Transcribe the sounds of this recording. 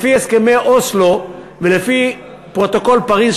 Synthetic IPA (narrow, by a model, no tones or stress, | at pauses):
fieskemeʔoslo̞ | velefi | pʁo̞t̪o̞ko̞lpaʁiz